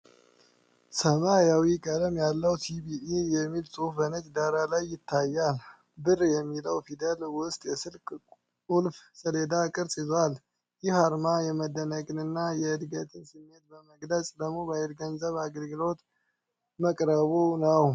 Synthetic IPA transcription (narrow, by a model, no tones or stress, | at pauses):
səmajawikʼəd̪əmjalːəwsʰibiʔijɛmːilsʼufənət͡ʃʼd̪aɾalajːɪt̪ʰːajːal | bɨrjɛmːiləwfid̪əlwʊst̪ʼjɛsɨlkʼ | ulfsəled̪akʼɨɾsʼizwal | jɪhaɾmajɛməd̪ːənəkʼɨnɨnːajɛɨd̪ɡət̪ʰɨnsɨmːe̞t̪̚bəməɡləsʼd̪əɡmobajɛɾɡənzəβaɡəlɡɨlo̞t̪ | məkʼɾəβonəw